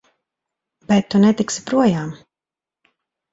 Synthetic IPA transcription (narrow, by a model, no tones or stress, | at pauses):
b̥ɛt̪ːunɛt̪iksi̥pɾuɔjaːm